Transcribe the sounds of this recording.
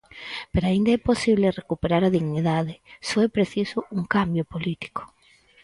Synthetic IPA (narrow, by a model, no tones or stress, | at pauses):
peɾoaind̪aɛposiβlerekupeɾaɾaðiɣniðaðɪsɔɛpɾeθisʊuŋkambjopolit̪i̥ko̥